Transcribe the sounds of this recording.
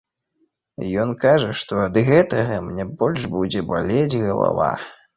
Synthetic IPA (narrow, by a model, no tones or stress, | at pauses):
jɔnkaʐɐʂt̪ɔɐd̪ɣɛt̪ɐɣɐmnʲɛbɔlʲʐbud͡zʲɛba̰lʲed͡zʲɣɐlˠa̰va̰